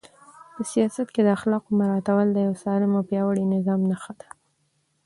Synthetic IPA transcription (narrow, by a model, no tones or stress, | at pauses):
pəsijɑsat̪ked̪əaxlɑqomaɾɑt̪awəld̪əjawsɑlɪmawpjɑwəɽinɪzɑmnaxad̪ḁ